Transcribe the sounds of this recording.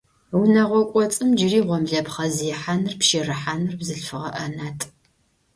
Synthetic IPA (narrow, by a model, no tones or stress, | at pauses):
wʊnɐʁʷɔkʷʼɔt͡sʼɨmd͡ʒɪriːʁʷɔmɮɐpχɐzjɛħaːnɨrpʃiːrɨħaːnɨrbzɨɬfɨʁɐʔɐnaːtʰʼ